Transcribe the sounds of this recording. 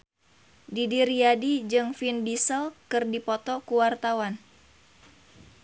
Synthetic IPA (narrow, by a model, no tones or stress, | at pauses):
didiɾiadid͡ʒɨŋfinbisəlkɨrdipɔt̪ɔkuwart̪awan